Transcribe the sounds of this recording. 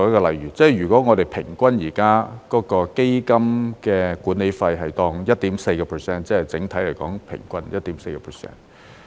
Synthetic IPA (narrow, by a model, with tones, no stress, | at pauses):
wjɐ˥kɔː˧lɐ˨˩jɥyː˨˩t͡sɛː˥˩˨jyː˨˩kʷwɔ˨˥ŋɔ˨˧ɾe˨jpʰɪ˨˩ŋkʷɐ˥njiː˨˩kaː˥kɔː˨˥kɔː˧ke˥jkɐ˥mkɛː˧kuː˨˥ne˨˥jfɐ˧jɦɐ˨jt̪ɔː˧ŋjɐ˥t̚t̪iː˨˥mse˧jkɔː˧pʰə˨˩sɛː˥nt͡sɛː˥ɐ˨jt͡sɪ˨˥ŋt̪ʰɐ˨˥le˨˩jkɔː˨˥ŋpʰɪ̰˨˩ŋkʷɐ˥njɐ˥t̚t̪iː˨˥mse˧jkɛ˧pʰə˨˩sɛ̰ː˥n